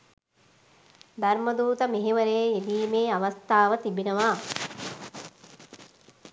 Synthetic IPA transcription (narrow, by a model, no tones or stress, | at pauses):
d̪ɐɾməd̪uːt̪əmeɦeʋəɾeːed̪iːmeːaʋɐst̪ʰaːʋət̪ibinəʋa